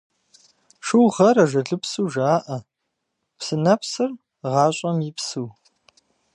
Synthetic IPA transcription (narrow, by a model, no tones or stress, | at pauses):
ʂɨwʁɐɾɐʒɐɮɨpsuːʒaːʔɐ | psɨnɐpsɨr | ʁɑːɕʼɐmjɪpsuː